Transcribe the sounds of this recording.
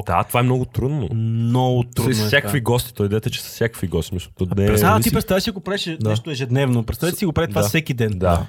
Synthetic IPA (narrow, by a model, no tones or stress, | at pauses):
d̪̥a̰t̪ovaɛmnɔɡʊt̪ɾud̪no̰nɔɡʊt̪ɾuɔjssjakkviɡɔst̪i̥t̪ɔjd̪ɛt̪ɛt͡ʃɛ̥sɐ̥fsʲjakəkfiɡɔst̪imislʊt̪ɔnɛɾɛt̪at̪ipɾɛt̪savɛsiɐɡopɾaɛʃnɛʃt̪oɛʒɛd̪nɛvnopɾɛt̪savɛsiɡopɾait̪ovasɛkid̪ɛnd̪a